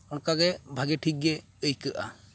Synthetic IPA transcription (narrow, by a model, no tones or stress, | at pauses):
ɔnkaɡɛbʱaɡɛʈʰik̚ɡɛ | əjkəʔa̰